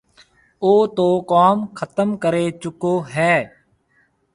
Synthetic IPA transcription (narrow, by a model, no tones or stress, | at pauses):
oːt̪oːkaːmkʰət̪əmkəɾeːt͡ʃʊkoːɦɛː